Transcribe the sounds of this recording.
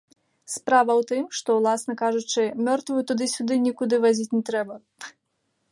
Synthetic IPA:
spɾavɐwt̪ɨmʂt̪ɔwlˠasnɐkaʐut͡ʂɨmʲɔrt̪vɨjut̪ud̪ɨsʲud̪ɨnʲikud̪ɨvazʲit͡sʲnʲɛt̪ɾɛbɐ

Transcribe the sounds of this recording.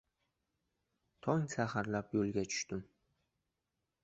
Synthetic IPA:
t̪ʰɒŋsahaɾlapjolɡʲat͡ʃʰʊ̥ʃt̪ɪm

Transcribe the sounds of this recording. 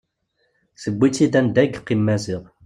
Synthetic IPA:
səbʷːit͡sːid̪ænd̪æɡqːimːæziʁ

